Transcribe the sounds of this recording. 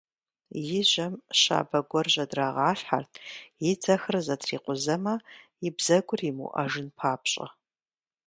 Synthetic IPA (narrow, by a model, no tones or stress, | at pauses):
jɪʑɐmɕa̰ːbɐɡʷɔrʑɐdraːʁaːɬħa̰rtʰjɪd͡zɐxɨrzɐtʰriːqʷʊzɐmɐ | ɪbz̥ɐɡʷʊrimṵʔɐ̰ʒɨnpʰaːpɕʼɐ̰